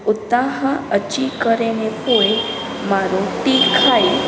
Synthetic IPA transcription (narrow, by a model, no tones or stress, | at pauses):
ut̪aɦãət͡ʃikəɾenepoe | maɾoʈikʰai